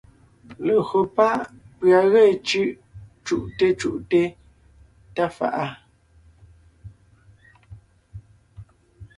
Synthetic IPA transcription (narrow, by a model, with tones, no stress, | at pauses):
lə˨ho˨pa˦˨ʔ | pɰa˨ɣɛ˦˨t͡ʃʉ˦˨ʔ | t͡ʃu˦˨ʔte˦t͡ʃu˦˨ʔte˦ | ta˦fa̰˨ʔa˦